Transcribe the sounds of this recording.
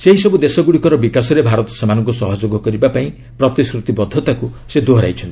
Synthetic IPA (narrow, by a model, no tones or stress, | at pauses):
seɦisɔbud̪esɔɡuɽikɔɾɔbikasɔɾebʱaɾɔt̪ɔ̥samanɔ̃ŋkusɔɦɔd͡ʒoɡɔkɔɾibapaĩ | pɾɔt̪iskɾut̪ibɔd̪ʱːɔt̪akused̪oɦɾa̰jt͡ʃʰɔnt̪ii